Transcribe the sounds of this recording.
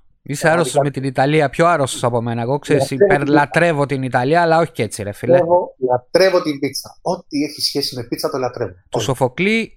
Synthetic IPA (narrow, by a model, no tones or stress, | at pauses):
iseaɾost̪ozme̞t̪init̪ɐliɐpçoɐɾo̞st̪osɐpo̞me̞nɐeɣo̞kseɾisipeɾlɐt̪ɾe̞vo̞t̪init̪ɐliɐːlːɐoçi̥cet͡sːiɾefilevolɐt̪ɾe̞vot̪imbit̪t͡sɐot̪ieçisçe̞sime̞pit̪t͡sɐt̪olɐt̪ɾe̞vot̪uso̞fo̞kli